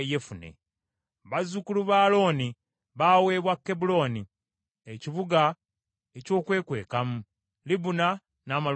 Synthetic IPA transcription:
jefunḛ | βazukuluβaːlo̞ːni | βaːwe̞ːβwakːe̞bulo̞ːni | eciβuɡa | eco̞ːkwe̞ːkwe̞̰ːkamu | libuna | naːma

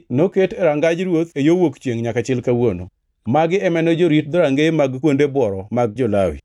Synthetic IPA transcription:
noketɛɾaŋɡad͡ʒɾwot̪ejowokt͡ʃeŋɲakat͡ʃɪlkawono̰ | maɡɪɛmɛnɔd͡ʒoɾit̚d̪ɔɾaŋɡemaɡkwondebwɔɾɔmaɡ̚d͡ʒɔlawɪ̰

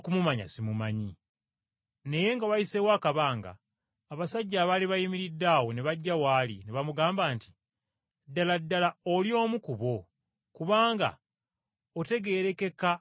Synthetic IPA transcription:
kumumaɲa̰simumaɲi | ne̞je̞ŋɡaβajiseβwakaβaːŋɡa̰ː | βasaɟːaːβaliβajimiɾidːaːwo̞neβaɟːawaːlḭneβamuɡaːmbaːnti̥ | dːaladːalaoljo̞ːmukuβo̞ | kuβaːŋɡa̰ | ote̞ɡe̞ːɾe̞ke̞ka

